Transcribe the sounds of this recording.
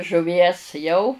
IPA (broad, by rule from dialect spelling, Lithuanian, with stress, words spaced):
ʒʊˈʋʲiɛs ˈjɛʊ